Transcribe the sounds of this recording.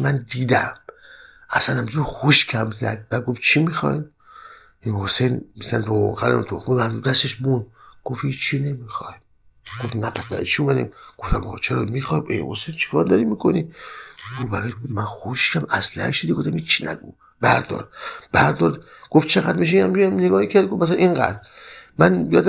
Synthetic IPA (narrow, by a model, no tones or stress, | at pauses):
mænd̪iːd̪æm | ʔæsænhæmɡuxoʃkʰæmzæ̰d̪̚bæd̪̚ɡoft͡ʃʰimixɒ̰im | ejhosejnmisænɾoo̰ɣæɾemt̪ʰoxmunːmd̪ud̪æst̪eʃbunɡ̥ofhiːt͡ʃt͡ʃːʰinemixɒjm | ɡ̥ofnæpʰæt̪æ̰t͡ʃʰiumæd̪ḭmɡ̥oft̪æmɒɣ̰t͡ʃʰeɾɒmixɒːjmḛhosejnt͡ʃʰi̥kʰɒːɾd̪ɒɾimikʰoniɡobæɾɒjmænxoʃkʰæmæslæhæ̰ʃd̪id̪iɡoft̪æmhiːt͡ʃːt͡ʃʰːinæ̰ɡu | bæ̰ɾd̪ɒ̰ɾd̪̥̚bæɾd̪ɒɾd̪ɡ̥oft͡ʃʰeɣæd̪miʃ̬einæmdujæmneɡɒːhicʰæɾd̪ɡofmæs̬lænʔiŋɡæ̰d̪ɾmænjɒːd̪æ